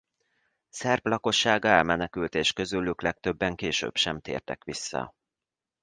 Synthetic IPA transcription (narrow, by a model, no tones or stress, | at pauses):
sɛrplɒko̞ʃːaːɡɛlmɛnɛkylt̪eːʃkø̞zylyklɛk̚t̪ø̞bːɛŋkeːʃø̰ːbʃɛmt̪ḛːrt̪ɛ̰kʋisːɒ̰